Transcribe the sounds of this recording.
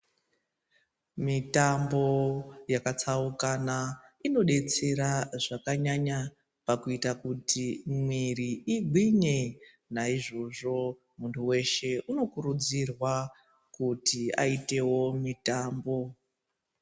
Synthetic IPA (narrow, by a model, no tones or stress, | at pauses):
mitambo̞jakat͡saukanaino̞ɗe̞t͡se̞ɾaʐakaɲaɲa | pakuitakutʰimwiriiɡʱwiɲe̞ | naiʐo̞ʐo̞ | muntʰuwe̞ʃe̞ʔuno̞kuɾud͡zirwa | kutia̰ite̞wo̞mitaːmbo̞